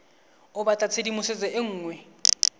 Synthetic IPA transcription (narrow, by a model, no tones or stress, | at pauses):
ʊbatʼat͡sʰedimʊsɪd͡zɛeŋ̩ːŋwɛ